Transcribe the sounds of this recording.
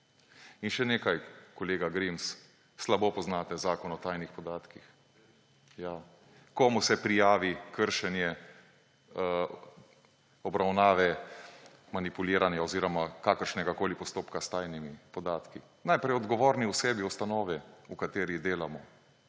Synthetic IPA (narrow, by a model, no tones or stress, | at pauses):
inʃɛneːkajkɔleːɡaɡɾimsː | labopɔznat̪ɛzaːkɔnɔt̪ajnixpɔd̪aːt̪kix | ja | kɔːmusɛpɾijaːʋikəɾʃɛnjɛ | ɔbɾawnaːʋɛ | manipuliːɾanjaɔziːɾɔmakaːkəɾʃnɛɡakoːlipɔst̪oːpkast̪aːjnimipɔd̪aːt̪ki | najpɾɛjɔd̪ɡɔʋoːɾniusɛːbiust̪anɔːʋɛukat̪eːɾid̪eːlamɔ